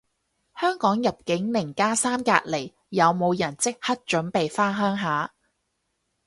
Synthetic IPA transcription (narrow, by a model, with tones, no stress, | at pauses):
hœː˥ŋkɔː˨˥ŋjɐ˨p̚kɪ˨˥ŋnɪ˨˩ŋkaː˥saː˥mka̰ː˧t̚le˨˩j | jɐ˨˧wmo˨˧wjɐ˨˩nt͡sɪ˥k̚hɐ˥t̚t͡ʃɵ˨˥npe˨jfaː˥ɦœː˥ŋɦaː˨˥